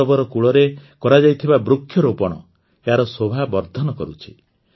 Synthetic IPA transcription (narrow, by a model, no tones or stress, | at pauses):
ɔbɔɾɔkuɭɔɾekɔɾad͡ʒajt̪ʰibabɾukʰːjɔɾopɔɽ̃ɔ | eɦaɾɔsobʱabɔɾd̪ʱɔnɔkɔɾut͡ʃʰi̥